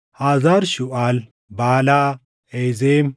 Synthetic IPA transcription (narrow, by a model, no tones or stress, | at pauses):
haːzaɾʃʊʔal | baːlaː | ejzeːm